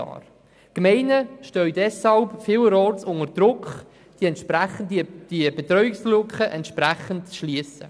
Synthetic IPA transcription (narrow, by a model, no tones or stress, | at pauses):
ɑ̰ːɾ | kmɛɪnəʃtœɥdɛshɑlpfɪːwɾɔːtsʊŋəɾd̥ɾʊkχ | d̥iɛnʃpɾæχəndd̥ibɛt̪ɾœʏɪkslʊkχəʔɛntʃpɾæχəntt͡sʃliəsə̰